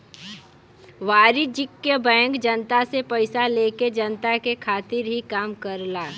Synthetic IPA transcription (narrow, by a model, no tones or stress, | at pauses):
ʋaːɾid͡ʒɪkjəbɛ̃ːŋkd͡ʒənt̪asepəɪsaleːked͡ʒənt̪akekʰaːt̪ɪɾɦikaːmkəɾlaː